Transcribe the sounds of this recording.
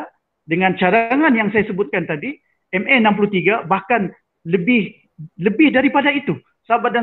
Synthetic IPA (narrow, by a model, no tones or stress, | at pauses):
dəŋant͡ʃaɾaŋanjaŋsajasəbʊt̪̚kant̪adi | ɛmɛnamp̬ulut̪iɡabahkan | ləbɪh | ləbɪhdaɾipadait̪u | sabada